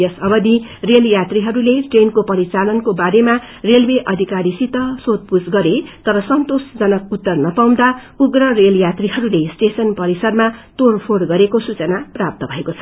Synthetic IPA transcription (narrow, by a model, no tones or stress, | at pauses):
jʌsʌbʌd̪ireljat̪riɦʌɾuleʈrenkopʌɾit͡salʌnkobaɾema | relweʔʌd̪ʱikaɾisit̪ʌsod̪̚pusɡʌɾet̪ʌɾʌsʌnt̪osd͡zʌnʌk̚ut̪ːʌrnʌpaw̃d̪a | uɡrʌreljat̪riɦʌɾulesʈesʌnpʌɾisʌrmat̪orpʰoɽɡʌɾekosut͡sʌnaprap̚t̪ʌbʱʌekot͡sʰʌ